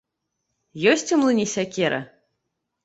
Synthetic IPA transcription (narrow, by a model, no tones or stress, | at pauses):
jɔsʲt͡sʲumlˠɨnʲisʲakʲɛɾɐ̰